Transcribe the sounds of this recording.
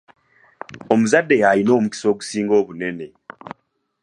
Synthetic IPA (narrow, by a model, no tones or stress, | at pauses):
o̞muzadːe̞jalino̞ːmuki̥so̞ːɡu̥siːŋɡo̞ːβune̞ne̞